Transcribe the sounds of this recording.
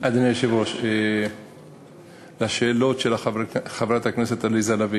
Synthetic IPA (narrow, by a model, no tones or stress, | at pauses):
ad̪aniʃivoʃe | laʃeːlo̞t̪ʃelaχavɾat̪hakneset̪alizalavi